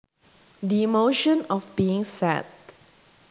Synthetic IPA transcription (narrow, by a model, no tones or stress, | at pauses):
dimoʃə̃nɔfbiɪ̃ŋsɛ̰t̚